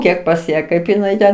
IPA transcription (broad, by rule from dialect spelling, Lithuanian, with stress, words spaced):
ˈkʲiɛk pɐs ˈjæː ˈkɐɪp ɪˈnɐɪ tʲɛn